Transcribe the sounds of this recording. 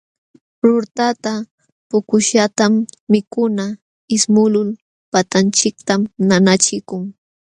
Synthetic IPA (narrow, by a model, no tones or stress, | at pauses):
ɾʊɾt̪at̪a | pʊkʊʃat̪amːɪkʊna | ɪsmʊlʊl | pat̪ant͡ʃɪk̚t̪amnanat͡ʃɪkʊŋ